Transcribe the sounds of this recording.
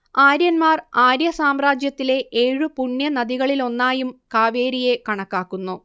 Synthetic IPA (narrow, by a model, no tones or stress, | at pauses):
aːɾjɐnmaːraːɾjɐsaːmraːd͡ʑjɐt̪ːile̞ʔeːɻupuɳːjɐnɐðiɣɐɭilo̞nːaːjumkaːʋeːɾije̞kɐɳɐkːaːkːunːu